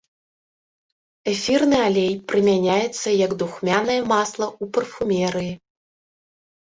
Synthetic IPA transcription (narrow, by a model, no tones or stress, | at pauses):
ɛfʲirnɨalʲejpɾɨmʲanʲajɛt̪sːɐjɐɡd̪uxmʲanɐjɐmaslˠɐupɐrfumʲɛɾɨi